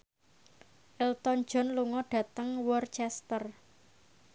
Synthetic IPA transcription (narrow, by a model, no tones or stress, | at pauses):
ʔɪlt̪ɔn̥d͡ʒɔ̤nluŋɔɖ̥ä̤t̪əŋwɔrt͡ʃɛst̪ər